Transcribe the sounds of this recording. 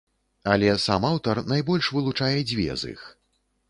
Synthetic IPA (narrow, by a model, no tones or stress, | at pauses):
ɐlʲɛsamawt̪ɐrnajbɔlʲʂvɨlˠut͡ʂajɛd͡zʲvʲɛ̰zḭx